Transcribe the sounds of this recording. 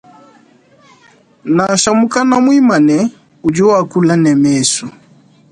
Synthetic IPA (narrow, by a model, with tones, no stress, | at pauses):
na˨ʃa˨mu˦ka˦na˦mwi˦ma˨nɛ˨ | u˨d͡ʒu˦wa˨ku˦la˦nɛ˨mɛsu˨